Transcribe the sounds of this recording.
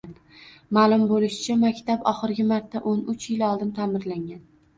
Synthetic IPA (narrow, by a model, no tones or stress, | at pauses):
n | maːlˠʊmbolɪʃɪ̥t͡ʃʰamakʲt̪abɒχɨɾɡʲɪmaɾt̪ʰːaʔonʊt͡ʃjɪlɒlˠd̪ɪnt̪ʰamɪɾlaŋɡʲan